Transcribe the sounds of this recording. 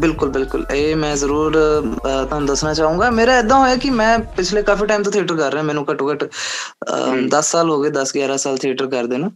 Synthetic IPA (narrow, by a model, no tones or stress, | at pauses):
bɪlkʊlbɪlkʊleːmɛ̃ːzəɾuːɾt̪aːñːd̪əsnaːt͡ʃaːũːɡaːmeːɾaːɪd̪ãːɦoːjaːkɪmɛ̃ːpɪt͡ʃʰleːkafiːʈaːɪmt̪õːt̪ʰiːʈəɾkəɾːeãːmɛːnũːkəʈoːkəʈ | d̪əsːaːlɦoːɡeːd̪əsɡjaːɾaːsaːlt̪ʰiəːʈəɾkəɾd̪eːnũː